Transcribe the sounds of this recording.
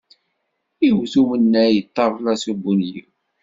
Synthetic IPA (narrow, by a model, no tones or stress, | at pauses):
iwθumənːæjət̪ˤːɑɾˤlæsubunjḭw